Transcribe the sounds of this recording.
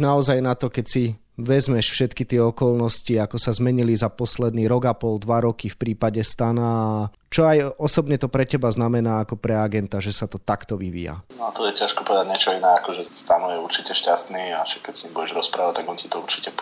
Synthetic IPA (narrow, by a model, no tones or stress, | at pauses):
naɔzajnat̪ɔkɛcsi | ʋɛzmɛʃfʃɛt̪kit̪ɪɛɔkɔlnɔsciakɔsazmɛɲilizapɔslɛd̪niɾɔɡapɔld̪ʋaɾɔkifpɾiːpaɟɛst̪anaː | t͡ʃɔajɔsɔbɲɛt̪ɔpɾɛcɛbaznamɛnaːkɔpɾɛaɡɛnt̪aʒɛsat̪ɔt̪akt̪ɔʋiʋḭːja̰nat̪ɔjɛcaʃkɔpɔʋɛd̪aɟɲɛt͡ʃɔinɛːakɔʒɛst̪anɔjɛuɾt͡ʃicɛʃcast̪niːaʃakkːɛcsiimbuɟɛʒɾɔspɾaːʋac̚t̪aɡɔncit̪ɔuɾt͡ʃi̥cɛ